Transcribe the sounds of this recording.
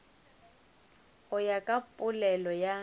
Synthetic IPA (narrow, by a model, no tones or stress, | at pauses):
ʊjakʼapʼʊlɛlɔja